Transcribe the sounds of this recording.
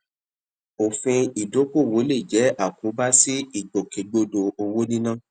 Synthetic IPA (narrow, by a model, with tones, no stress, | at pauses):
o˨fĩ˧i˨do˨˦ko˦˨wo˨˦le˦˨d͡ʒɛ˨˦a˦˨kũ˨˦ba˦si˦i˦˨ɡ͡bo˨ke˨˦ɡ͡bo˦do˧o˧wo˦nĩ˦nãː˦˨